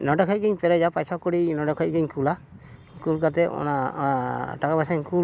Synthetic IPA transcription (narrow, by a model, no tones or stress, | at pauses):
nɔɖɔkʰɔc̚ɡiɲpɛɾɛd͡ʒapajsakɔɽinɔɖɔkʰɔc̚ˀɡiɲkula | kulkat̪ɛɔ̰na | ʈakabasaɲku